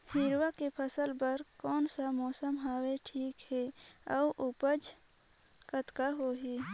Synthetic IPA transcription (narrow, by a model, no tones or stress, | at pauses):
hɪɾwakepʰəsəlbəɾkɔːnsamɔːsəmɦaːweʈʰiːkhɛə̰ʔʊpəd͡ʒ | kət̪kaɦoːɦiː